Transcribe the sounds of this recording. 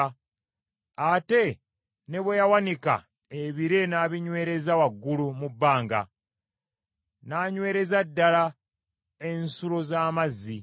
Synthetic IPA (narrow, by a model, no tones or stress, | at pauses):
ate̞ | ne̞βwejawanika̰ | eβiɾe̞naːβiɲwe̞ːɾe̞zawaɡːulumubːaːŋɡa̰ | naːɲwe̞ːɾe̞zadːala | ensulo̞zaːmazːi